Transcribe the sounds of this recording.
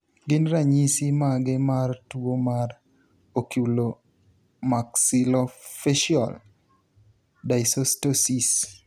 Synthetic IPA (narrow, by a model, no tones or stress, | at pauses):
ɡɪnɾaɲisimaɡɪmartwomar | okjulo | maksɪlɔfɛʃiɔ̰l | daɪsostosis